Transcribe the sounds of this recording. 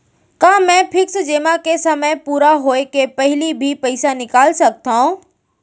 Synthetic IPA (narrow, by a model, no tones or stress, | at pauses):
kãːmɛ̃pʰɪksd͡ʒeːmakesɐməjpuːɾaɦoːekepɐɦɪlibʱipɐɪsanɪkaːlsɐk̚t̪aɦũ